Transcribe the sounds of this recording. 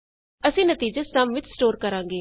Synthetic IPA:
əsĩːnət̪iːd͡ʒəsəmʋɪt͡ʃsʈoːɾkəɾãːŋ̆ɡeː

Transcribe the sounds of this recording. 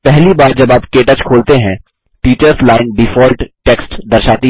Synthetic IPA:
pɛɦlibaːɾd͡ʒɐbaːpkeːʈət͡ʃkʰoːlt̪eɦɛ̃ | ʈiːt͡ʃəɾslaːɪnɖifɔːlʈʈeːksʈd̪ɐɾʃaːt̪i

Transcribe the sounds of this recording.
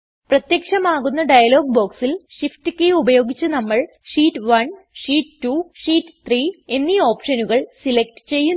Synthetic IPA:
prɐt̪jɐkʂɐmaːɣunːɐɖɐjɐlo̞ːɡ̚bo̞ːksilʂifʈɨkːejubɐjo̞ːɡit͡ɕːɨnɐmːɐɭ | ʂiːʈːɨʋɐn | ʂiːʈʈːuʂiːʈːt̪ʰriːe̞nːio̞ːpʂɐnuɣɐɭsilek̚ʈɨ̥t͡ɕe̞jːu

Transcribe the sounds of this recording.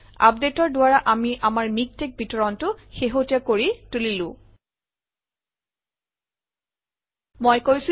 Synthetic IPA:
a̰p̚detɔɹdʊaɹaʔamiʔamaɹmik̚tek̚bʱitɔɹɔntʊxeɦotijakoɹitulilʊ̃ | mojkojs

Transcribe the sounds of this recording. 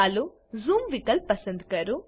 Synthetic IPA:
aːlu | zuːmʋikɐlpɐsɐnd̪kɐɾu

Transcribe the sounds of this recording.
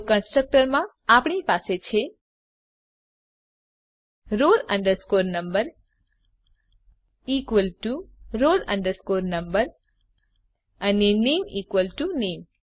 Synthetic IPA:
kənsʈɾək̚ʈəɾmã | apɳipaset͡ʃʰe | ɾolə̃ɳɖəɾskoɾnəmbəɾ | ikʋəlʈuɾolə̰̃ɳɖəɾskoɾnəmbəɾ | ənenemikwʋəlʈunem

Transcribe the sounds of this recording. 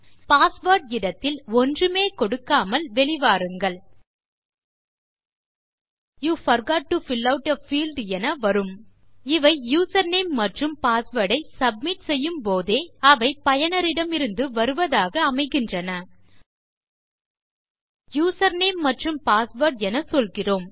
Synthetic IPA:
paːsʋɐːɾʈɪɽɐt̪ːɪlɔndrɯmeːkɔɽɯkːaːmɐlʋɛɭɪʋaːɾɯŋɡɐɭ | juːfɐɾɡaːʈ̚ːufɪlːɐʊʈɐfiːlɖɛnɐʋɐɾɯm | ɪʋɐɪjuːsɐɾneːmːɐʈrɯmpaːsʋɐɽɐɪsɐb̚mɪʈsɛjːɯmpoːðeːɐʋɐɪpɐjɐnɐɾɪɽɐmɪɾɯnd̪ɯʋɐɾɯʋɐðaːɣɐːmɐɪɣɪndrɐnɐ | juːsɐɾneːmːɐʈrɯmpaːsʋɐɾɖɛnɐsɔlɣɪroːm

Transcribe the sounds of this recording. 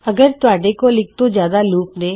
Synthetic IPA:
ɐɡəɾt̪ʊaːɖekolɪk̚t̪ozjaːd̪aluːpnẽː

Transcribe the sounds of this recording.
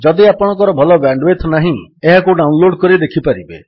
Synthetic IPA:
d͡ʒɔd̪iapɔɽ̃ɔ̃ŋkɔɾɔbʱɔlɔbɾaɳɖwet̪ʰnaɦĩeɦakuɖawnloɽkɔɾid̪ekʰipaɾibḛ

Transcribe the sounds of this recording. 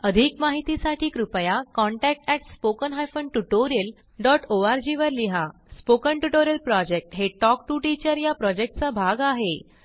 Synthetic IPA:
əd̪ʱikmaɦit̪isaʈʰiːkɾupjakɔ̃ɳʈɛk̚ʈɛʈspokənɦajfəɳʈuʈoɾiəl | ɖɔʈʰoaɾd͡ʑiʋəɾliɦa | spokəɳʈuʈoɾjəlpɾɔd͡ʑek̚ʈɦeʈɔk̚ʈuʈit͡ɕəɾjapɾɔd͡ʑek̚ʈ̚t͡sabʱaɡaɦe

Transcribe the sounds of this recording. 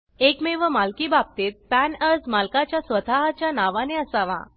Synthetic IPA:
ekmeʋəmalkiːbab̚t̪et̪̚pænəd͡zmalkat͡ɕjasʋət̪ʰaɦat͡ɕjanaʋaneəsaʋã̰

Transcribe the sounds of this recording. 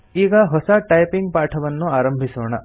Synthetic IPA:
iːɡɐɦɔsɐʈɐjpiŋɡ̚paːʈʰɐʋɐnːuaːɾɐmbʱisoːɳɐ

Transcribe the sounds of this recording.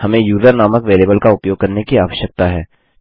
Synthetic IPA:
hɐmẽjuːzəɾnaːməkʋeːleːbəlkaʊpjoːɡ̚kɐɾnekiaːʋəʃjək̚t̪aɦɛː

